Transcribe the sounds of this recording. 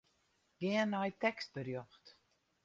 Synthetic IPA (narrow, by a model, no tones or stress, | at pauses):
ɡ̥iənːajtɛkst̚bərjɔxt